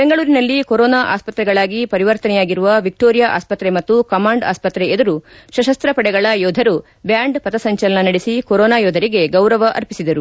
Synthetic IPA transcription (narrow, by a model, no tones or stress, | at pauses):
be̞ŋɡɐɭuːɾinɐlːikoɾɔːnaːʔaːspɐt̪ɾɛɡɐɭaːɡipɐɾiʋɐɾt̪ɐnɛjaːɡiɾuʋɐʋik̚ʈoːɾijaʔa̰ːspɐt̪ɾe̞mɐt̪ːukɐmaːɳɖa̰ːspɐt̪ɾeed̪ɐɾuʃɐʃɐst̪ɾɐpɐɽɛɡɐɭɐjoːd̪ʱɐɾu | bjaːɳɖpɐt̪ɐsɐɲt͡ʃɐlɐnɐnɐɽisikoɾɔːnaːjoːd̪ʱɐɾiɡe̞ɡɐwɾɐʋɐʔɐ̰ɾpisid̪ɐɾu